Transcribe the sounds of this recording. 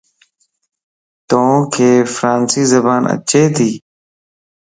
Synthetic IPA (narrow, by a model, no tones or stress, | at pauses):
t̪õkʰeːfɾaːnsiːzəbaːnə̰t͡ʃeːt̪ʰiː